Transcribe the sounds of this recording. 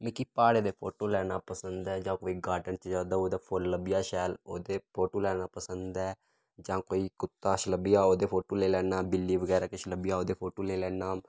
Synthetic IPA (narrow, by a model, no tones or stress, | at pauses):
mẽːkiːpaːɽeːd̪eːpʰoːʈoːlɛːnaːpəsənd̪ɛːd͡ʒãːkoːiːɡaːɖənt͡ʃd͡ʒaːd̪aːoːd̪eːpʰoɾləbɪjaːʃɛːloːd̪eːpʰoːʈoːlɛːnaːpəsənd̪ɛː | d͡ʒãːkoːiːkʊt̪ːaːʃləbɪjaːoːd̪eːpʰoːʈoːleːlɛːnaːbɪlːiːʋəɡɛːɾaːkɪʃləbɪjaːoːd̪eːpʰoːʈoːleːlɛːnaːm